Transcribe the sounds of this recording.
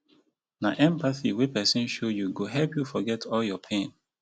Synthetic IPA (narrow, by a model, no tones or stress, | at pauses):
naʔɛ̃mpaθiwepɛsɔ̃nʃojuɡoɦɛlpjufɔɡɛtʰɔljɔpʰẽn